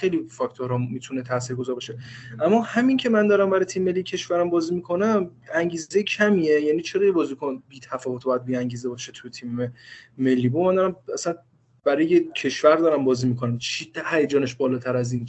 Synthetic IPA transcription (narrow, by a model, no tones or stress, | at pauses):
xejlifɒkʰt̪ʰoɾhɒmːiːt̪ʰunet̪ʰæsiːɾɡozɒːɾbɒːʃe̞ʔæmːɒhæmincʰe̞mænd̪ɒːɾæmbæɾɒjt̪ʰiːmːme̞lːicʰe̞ʃvæɾæmbɒːzimikʰo̞næmæŋɟiːzzejcʰæmiːejænit͡ʃʰeɾɒːjebɒːzikʰonbiːt̪ʰæfɒːvot̪ʰb̥ɒjæd̪̚biːæŋɟiːze̞bɒːʃet̪ʰujet̪ʰiːmːeme̞lːiːbomænd̪ɒːɾæmæsæn | b̥æɾɒjejecʰe̞ʃvæɾd̪ɒːɾæmbɒːziːmikʰo̞næmt͡ʃʰid̪æhæjæd͡ʒɒːneʃbɒːlɒːt̪ʰæɾæziːn